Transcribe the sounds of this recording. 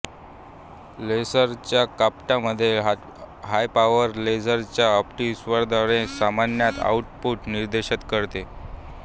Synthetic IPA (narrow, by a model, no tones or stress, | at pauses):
lesəɾt͡ɕjakapʈaməd̪ʱːje | ɦajpaʋəɾled͡zəɾt͡ɕjaəpʈisʋəɾd̪ʱaɽẽsamanjat̪a̰uʈ̚puʈniɾd̪eɕət̪kəɾt̪e